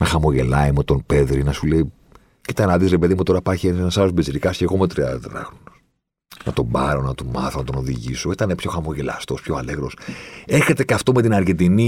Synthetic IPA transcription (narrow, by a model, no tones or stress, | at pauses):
nɐxɐmo̞ʝe̞lɐimut̪onpe̞ðɾinɐsulei | cit̪ɐnɐðisɾepe̞ðimut̪o̞ɾɐpɐɾçiensenɐsɐosbeiziɾikɐsceɣo̞meot̪ɾiɐðɐt̪ɾɐ̰xɾonos | nɐ̰t̪o̞bɐɾo̞nɐt̪omɐθonɐt̪o̞no̞ðḭʝiso̞it̪ɐnepço̞xɐmo̞ʝe̞lɐ̰st̪o̞spçoɐleɣɾoseçet̪e̞cɐft̪o̞me̞t̪inɐɾʝe̞nd̪ini